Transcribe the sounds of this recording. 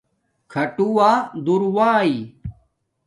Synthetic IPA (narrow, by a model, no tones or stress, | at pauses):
kʰɐʈuwaːd̪uɾwaːi